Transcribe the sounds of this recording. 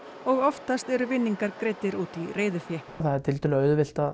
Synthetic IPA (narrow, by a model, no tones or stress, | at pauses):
ɔɣɔft̪ast̪ɛɾʏvɪnːiŋkaɾkɾeːjt̪ɪɾuːt̪ireːjðʏfjɛ | θaðɛɾt̪ʰɪlt̪ʏlɪœːɥðʏvɪl̥t̪a